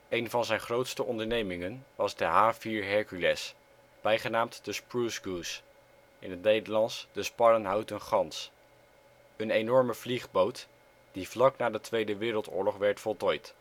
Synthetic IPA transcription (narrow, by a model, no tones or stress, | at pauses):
ʔejnvɑnzɛjnχrowtstəʔɔndəɹnejmɪŋənʋɑzdəɦaːviːɹɦɛɹkylɛs | b̥ɛjχənaːmtd̥əspɹusɡus | ʔɪ̰nɦətnejdəɹlɑnsd̥əspɑɾənɦawtənχɑns | ənejnɔɹməvliχbowt | d̥ivlɑknaːdətʋejdəʋɪːɾəlˠtʊ̰ːɹlɔχʋɛɹtfɔlˠtɔjt